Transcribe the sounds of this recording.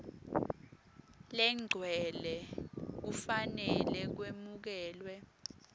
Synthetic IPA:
lɛŋ͡ǀʱwɛlɛk̬ufanɛlɛk̬wemuk̬ɛːlwɛ

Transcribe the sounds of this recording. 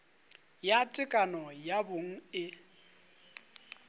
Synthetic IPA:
jatʼɪkʼanɔjaboŋ̩ɪ

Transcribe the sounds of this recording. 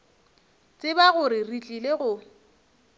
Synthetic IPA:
t͡sʼɪbaɣʊɾɪrit͡ɬʼileɣʊ

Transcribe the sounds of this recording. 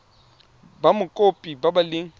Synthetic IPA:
bamʊkʼopʼibabalɪŋ̩

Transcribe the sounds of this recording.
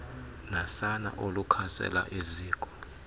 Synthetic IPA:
nasana̰ʔolukʰasɛ̰laʔeziːkʼɔ̥

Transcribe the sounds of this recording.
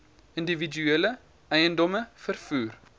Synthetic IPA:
ɪndividʉɛlə | æɪəndɔməfərfyːɾ

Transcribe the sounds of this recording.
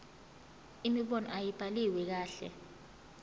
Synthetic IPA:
imiɓɔnɔ̰ʔajib̥ʼʱaliwɛk̬aːɬɛ̰

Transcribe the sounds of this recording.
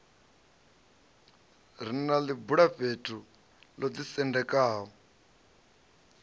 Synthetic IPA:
ɾ̤inalibuɺaɸetʰu | lod͡zisɛndɛkʼaːɦɔ

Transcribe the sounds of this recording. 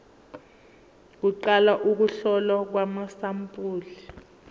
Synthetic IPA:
k̬uǃalaʔuk̬uɬɔlak̬wamasampʼuːli

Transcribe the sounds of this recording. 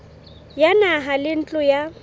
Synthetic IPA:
janaɦalɪn̩t͡ɬʼʊja

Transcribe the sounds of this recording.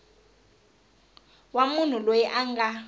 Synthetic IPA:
wamun̤ulojiʔaŋɡa

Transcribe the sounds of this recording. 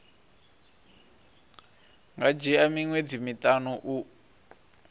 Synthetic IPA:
ŋɡad͡ʒɛamiŋwed͡zimitanɔʔu

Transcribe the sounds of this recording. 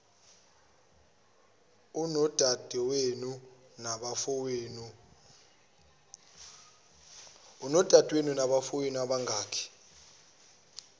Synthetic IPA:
unɔd̥ʱad̥ʱɛwenu | naɓafɔweːnu | unɔd̥ʱad̥ʼʱwenunaɓafowenuaɓaŋʱaːkʰɛ̥

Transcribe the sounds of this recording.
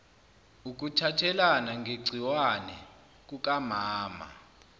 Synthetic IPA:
uk̬utʰatʰɛlanaŋɡʱeɡ͡ǀʱiwanɛ | k̬uk̬ʼamaːma̰

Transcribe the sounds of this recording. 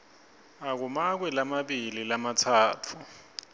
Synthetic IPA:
ak̬umak̬wɛlamaɓililamatʰaːtʰu

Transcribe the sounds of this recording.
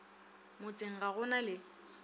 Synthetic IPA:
mʊt͡sʼɪŋ̩ɣaɣʊnalɪ

